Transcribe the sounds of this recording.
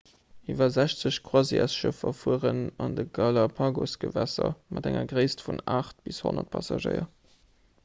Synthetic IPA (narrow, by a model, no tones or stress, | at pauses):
iːvɐzæɕt͡səɕkʰwɑziæsʃəfɐfuəʁənɑndəɡɑlɑpʰɑːɡosɡ̥əvæsɐmʔɑdæŋɐɡʁəɪstfunaːχt̚b̥ishonɐt̚pʰɑsɑʒəɪɐ